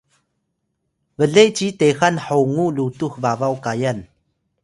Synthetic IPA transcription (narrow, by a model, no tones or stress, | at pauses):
vəɮejt͡ɕitexanħowŋulutuxvavawkajan